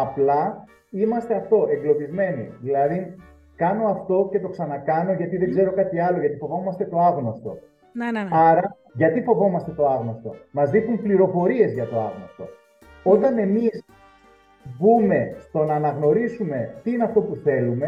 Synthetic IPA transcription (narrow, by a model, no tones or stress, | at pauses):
ɐplɐ | imɐst̪e̞ɐft̪o̞e̞ŋɡlo̞pizme̞nḭðilɐðin | kɐno̞ɐft̪o̞ce̞t̪o̞ksɐnɐkɐno̞ʝɐt̪iðeɡze̞ɾo̞kɐt̪iɐlo̞ʝɐt̪ifo̞vo̞mɐst̪e̞t̪o̞ɐɣnost̪o̞̰ | ɐɾɐ | ʝɐt̪ifo̞vo̞mɐst̪e̞t̪o̞ɐɣnoɐst̪o̞̰mɐzðixumpliɾo̞fo̞ɾie̞zʝɐt̪o̞ɐ̰ɣnost̪o̞̰ | o̞t̪ɐne̞mis | bume̞st̪o̞nɐːnɐɣno̞ɾisume̞t̪iineɐft̪o̞puθe̞lume̞